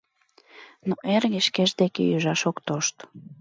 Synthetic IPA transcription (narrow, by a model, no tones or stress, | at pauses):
noʔerɣeʃkeʒd̪ekḛjyʒɑʃokt̪oʃt̪